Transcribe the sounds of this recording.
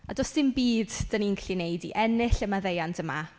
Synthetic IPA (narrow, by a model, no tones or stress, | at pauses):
adɔsɪmbiːdd̥aniŋkʰlinejdḭʔɛnɪɬəmaðejantʰəma̰